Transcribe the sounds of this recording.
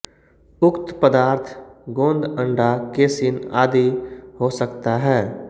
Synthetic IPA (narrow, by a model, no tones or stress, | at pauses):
ʊkt̪pəd̪aːɾt̪ʰɡõːnd̪ə̃ɳɖakeːsɪnaːd̪iɦosəkt̪aɦɛː